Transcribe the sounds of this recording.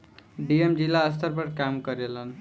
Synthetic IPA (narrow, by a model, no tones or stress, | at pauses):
ɖiemd͡ʒilːaəst̪ʰəɾpəɾkamkʌɾelən